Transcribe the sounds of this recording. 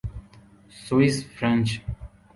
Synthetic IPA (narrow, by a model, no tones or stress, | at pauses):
swisfɾɛ̃nt͡ʃ